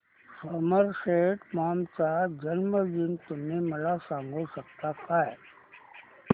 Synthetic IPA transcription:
soməɾʃeːʈmaːmt͡ʃaːd͡ʒənməd͡ʒɪnt̪ʊmemɐlasãːŋɡʱosɐk̚t̪akaːɛ

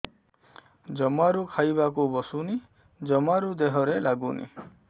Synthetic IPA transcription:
d͡ʒɔmaɾukʰajbak̬ubɔsuni | d͡ʒɔmaɾud̪eɦɔɾelaɡunḭ

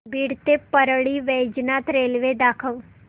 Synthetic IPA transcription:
biːɽt̪epəɾɽiʋeːd͡ʒnaːt̪ɾeːlʋed̪aːkʰəʋ

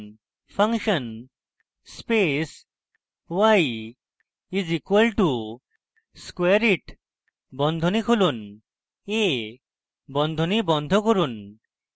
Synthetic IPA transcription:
pʰaŋkʃən | spes | waj | izikwəlʈu | skweɾiʈ | bɔnd̪ʱɔnikʰolun | e | bɔnd̪ʱɔnibɔnd̪ʱɔkɔɾun

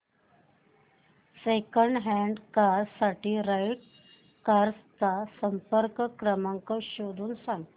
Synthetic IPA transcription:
sekəɳɖɦɛ̃ɳɖkaɾsaʈiːɾajʈ̚ | kaɾst̪asəmpəɾkkɾəmaŋkəɕod̪ʱuːnsaŋɡ

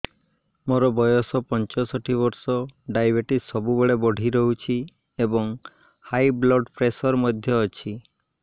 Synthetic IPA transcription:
moɾɔbɔjɔsɔpɔnt͡ʃɔsɔʈʰiβɔɾsɔɖajbeʈisɔbubeɭebɔɽ̤ʱiɾɔɦut͡ʃʰi | ebɔŋ | hajblɔɖpɾesɔɾmɔd̪ʱjɔːt͡ʃʰi

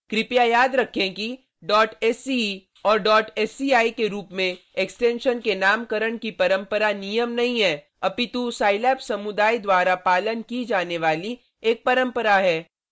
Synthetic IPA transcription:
kɾɪpijajaːd̪ɾɐkʰẽki | ɖɔːʈɛːsi | ɔːɾɖɔːʈɛːsiaːikeɾuːpmẽ | eksʈẽːnʃənkenaːmkəɾəɽkipɐɾə̃mpəɾanijəmnɐɦĩɦɛː | ɐpit̪usaːɪlɛːpsɐmʊd̪aːid̪waːɾapaːlənkid͡ʒaːneʋaːli | eːk̚pɐɾə̃mpəɾaɦɛː

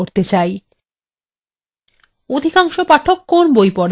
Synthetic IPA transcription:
oɾt̪et͡ɕaj | od̪ʱikaŋʃopaʈʰokːonbojpɔɽ

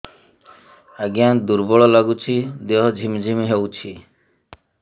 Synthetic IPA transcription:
aɡijad̪uɾbɔɭɔlaɡut͡ʃʰid̪eɦɔd͡ʒʱimd͡ʒʱimiɦewt͡ʃʰi

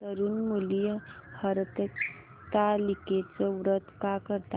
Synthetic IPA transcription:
əɾuːnmulijəhəɾt̪ə | t̪aliket͡səʋɾət̪kakəɾt̪a

